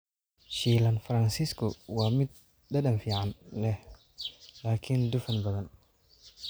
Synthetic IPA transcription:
ʃiːlɐnfɾɐnsiskʰɔwɑːmɪd̪̚ | dɐɗɐnfiːʕɑnlɛh | laːkʰɪnd̪ʊfɐnbɐðɐn

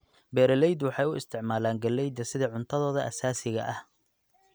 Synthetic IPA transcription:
bɛːɾɐlɛjd̪wɑħɑjʊʔɪst̪ʰɪʕmaːlaːŋɡɐlːɛjd̪ɐsɪðɐʕʊnt̪ʰɐðɔːðɐʔɐ̰saːsɪɣɐ̰ʔɐh

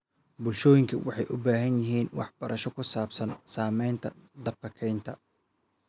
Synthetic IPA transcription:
bʊlʃɔːjɪŋkʰɐwɑħɑjʔʊbaːɦɐnjɪɦiːnwɑ̰ħb̥ɐɾɐʃɔkʰʊsaːbsɐnsaːmɛjnt̪ʰɐd̪ɐb̚kʰɐkʰɛjnt̪ʰɐ

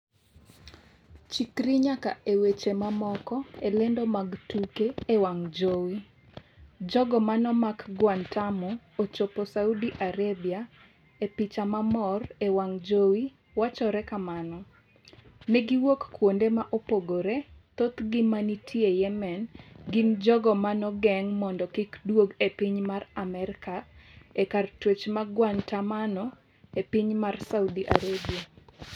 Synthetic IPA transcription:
t͡ʃikɾiɲaka̰ʔewet͡ʃemamɔkɔelɛndɔmaɡtukeːwaŋd͡ʒowi | d͡ʒɔɡɔmanɔmakɡwantamo | ot͡ʃoposaudiʔaɾebia | epit͡ʃamamɔrewaŋd͡ʒowi | wat͡ʃɔɾɛkamanɔ | nɛɡiwokkwondemaʔopoɡoɾet̪ot̪ɡɪmanitʰiejɛmɛnɡɪmd͡ʒɔɡɔmanɔɡɛŋmɔndɔkɪkdwoɡepiɲmaramɛɾɪkaekartwet͡ʃmaɡwantamanɔ | epɪɲmarsaudiʔa̰ɾabia

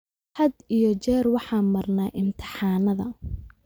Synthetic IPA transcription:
hɐd̪ijɞt͡ʃɛːrwɑħɑːmɐrnaːʔɪmt̪ʰɪ̥ħɑːnɐðɐ̰

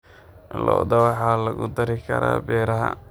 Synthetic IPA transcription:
lɔːd̪ɐβɑħalɐɣʊd̪ɐɾɪkʰɐɾa̰ːbɛːɾɐɦɐ̰

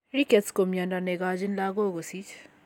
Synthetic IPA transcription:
ɾiketskomjandaneɡad͡ʒinlaːɡoɡosit͡ʃʰ

